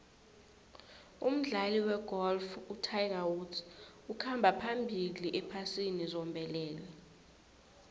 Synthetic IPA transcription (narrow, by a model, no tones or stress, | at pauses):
um̩ɮaliwɛɡ̥ʱɔlfutʰajk̬awus | ukʰambʱapʰambʱiliʔɛpʰasinizɔmbʱɛlɛːlɛ